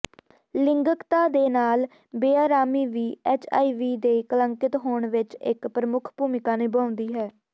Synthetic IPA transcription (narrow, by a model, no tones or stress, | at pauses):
lɪŋɡəkt̪aːd̪eːnaːl | beːaːɾaːmiːʋiːɛːt͡ʃʰa̰ːiːʋiːd̪eːkələŋkɪt̪ɦoːɳʋɪt͡ʃɪ̰kpɾəmʊkʰpuːmɪkaːneːbãːʊnd̪iːɦɛː